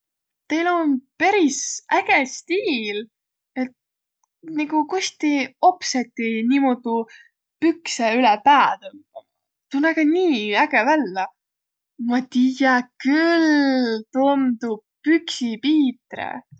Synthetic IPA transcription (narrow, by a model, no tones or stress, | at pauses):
t̪ejlonpeɾisæɡ̥est̪iːl | et̪̚ | niɡukust̪io̞pset̪ːˑinimod̪u | pykseylɛpæːt̪omu | t̪unːɑɡɑniːæɡ̥ɛvælːɑ | mɑt̪ijɑkylt̪und̪̥upyksipiːt̪rḛ